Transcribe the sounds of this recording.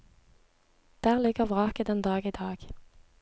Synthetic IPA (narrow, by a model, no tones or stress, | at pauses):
d̪̥æːʁlɪɡəʁʋʁɑːkəd̪ɛnd̪ɑːɡiːd̪ɑːɡ̥